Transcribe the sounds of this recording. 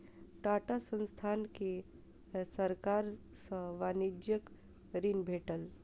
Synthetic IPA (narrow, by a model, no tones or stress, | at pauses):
ʈaʈasə̃nst̪ʰanke | səɾkaɾ | səʋanid͡ʒjək | ɾinbʱeʈəl